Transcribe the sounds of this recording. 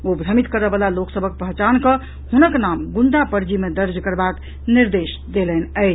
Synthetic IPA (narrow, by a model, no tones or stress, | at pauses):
obʱɾəmit̪kəɾəbəlaloksəbʱək̚pəɦt͡ʃankə | hunəknamɡuɳɖapəɾd͡ʒimed̪əɾd͡ʒkəɾbak | niɾd̪es | d̪elɛnəɪt͡ʃʰ